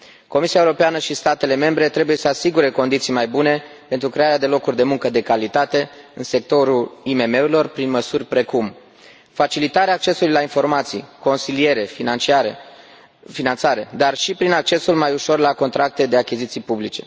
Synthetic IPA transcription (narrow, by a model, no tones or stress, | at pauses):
ko̞misiaewuɾo̞peanəʃist̪at̪e̞le̞me̞mbɾe̞t̪ɾe̞buje̞səasiɡuɾe̞ko̞nd̪it̪sijmajbune̞pent̪ɾukɾe̞aɾead̪e̞lo̞kurʲd̪e̞muŋkəd̪e̞kalit̪at̪e̞ɨnse̞k̚t̪o̞ɾulime̞me̞uɾilo̞rpɾinməsurʲpɾe̞kum | fat͡ʃilit̪aɾeaːk̚t͡ʃe̞sulujlainfo̞rmat̪sḭjko̞nsilije̞ɾe̞finant͡ʃiaɾe | finant̪saɾe̞d̪arʃipɾinak̚t͡ʃe̞sulmajuʃo̞rlako̞nt̪ɾak̚t̪e̞d̪e̞akʲizit̪sijpublit͡ʃe̞